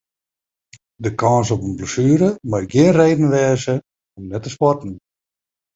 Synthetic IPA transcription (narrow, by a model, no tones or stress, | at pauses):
dəkʰɑnsɔpənbləsyəɾəmajɡjɪənreːdn̩ʋɛːzə | ɔmnɛtːəspɔtn̩